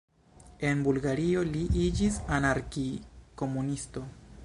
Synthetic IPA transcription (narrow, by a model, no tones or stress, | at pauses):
e̞nbulɡaɾio̞liʔid͡ʒisanaɾkiko̞munisto̞